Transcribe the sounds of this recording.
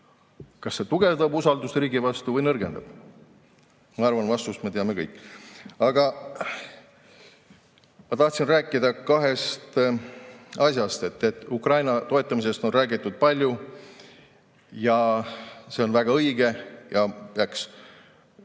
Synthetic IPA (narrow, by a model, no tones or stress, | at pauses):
kɑsːe̞t̪uɡ̥e̞vd̪̥ɑbusɑld̪usriːɡivɑst̪uvɤjnɤrɡe̞nd̪̥ɑb̥ | mɑɑrvɑnvɑst̪ust̪mɑt̪eɑme̞kɤjkːˑɑɡ̥ɑ | mɑt̪ɑht̪sinræːkːˑid̪ɑkɑɦe̞st̪ | ɑsʲjɑst̪e̞t̪ːe̞t̪ːˑukrɑjnɑt̪o̞e̞t̪ˑːɑmise̞st̪o̞nræːɡit̪ːˑud̪̥̚pɑlʲju | jɑ | se̞o̞nvæɡ̥ɑɤjɡ̥e̞jɑpeɑks